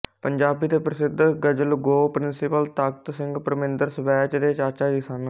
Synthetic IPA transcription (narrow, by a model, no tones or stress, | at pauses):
pəɲd͡ʒaːbiːt̪eːpɾəsɪd̪ʱɡəd͡ʒəlɡoːpɾɪnsɪpəlt̪aːk̚t̪sɪ̃ŋɡpɾəmẽnd̪əɾsʋɛːt͡ʃd̪eːt͡ʃaːt͡ʃaːd͡ʒɪsaːn